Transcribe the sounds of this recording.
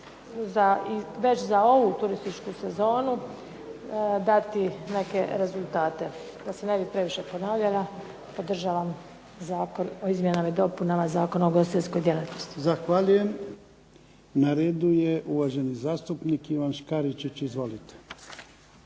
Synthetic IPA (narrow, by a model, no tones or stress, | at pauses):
zaiʋe̞t͡ɕzao̞ʋut̪uɾist̪it͡ʃkuse̞zo̞ːnu | d̪at̪ine̞ke̞ɾe̞zulˠt̪aːt̪e̞ | d̪asene̞bipɾe̞ʋiʃe̞po̞naːʋʎala | po̞d̪r̩ʒaːʋam | zaːko̞no̞izmjenamaid̪o̞punamazaːko̞naoɡo̞st̪it̪esko̞jd̪ʲje̞lat̪nost̪i̥zaxʋaʎujem | naɾeːd̪ujeʔuʋaʒenizaːst̪upnikiʋanʃkaɾit͡ʃit͡ɕizʋo̞lit̪e̥